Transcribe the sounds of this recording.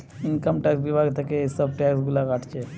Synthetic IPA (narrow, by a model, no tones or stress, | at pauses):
inkəmʈɛːksbibʱaɡt̪ɐkesəbʈɛksɡulakaʈʰt͡ʃe